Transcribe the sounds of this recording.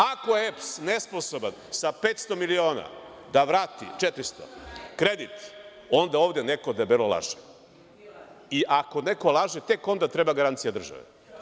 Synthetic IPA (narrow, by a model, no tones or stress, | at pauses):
akoeepsnesposoban | sapet̪st̪o̞milio̞ːna̰ | d̪aʋɾaːt̪ḭt͡ʃet̪ɾist̪o̰kɾed̪it̪ | o̞nd̪aoːʋd̪enekod̪abilolˠa̰ʒe̥ | iʔako̞nekolˠaʒet̪e̞ko̞nd̪at̪ɾebaɡaɾant̪sijad̪r̩ʒa̰ʋḛ